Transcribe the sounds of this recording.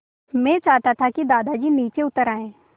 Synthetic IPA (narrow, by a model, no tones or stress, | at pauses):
mɛ̃ːt͡ʃaːɦt̪at̪ʰakid̪aːd̪ad͡ʒiːniːt͡ʃeʊt̪əɾaːẽː